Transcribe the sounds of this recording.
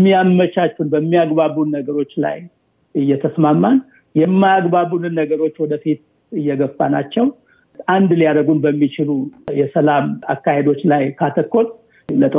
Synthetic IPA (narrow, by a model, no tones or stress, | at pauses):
mːiamːət͡ʃat͡ʃːunbəmːiaɡβaβunːəɡəɾo̞t͡ʃːla̰j | ɨjːɛt̪ʰəsmamːan | jɛmːajaɡbaβunɨnːəɡəɾo̞t͡ʃːwɔd̪əfit̪ | ɨjːɛɡəbːana̰t͡ʃːɛw | ʔand̪lijad̪əɡunbəmːit͡ʃɪlujɛsəlamakːahe̞d̪o̞t͡ʃːlajkʰat̪ʰəkːo̞l | lət̪ʼə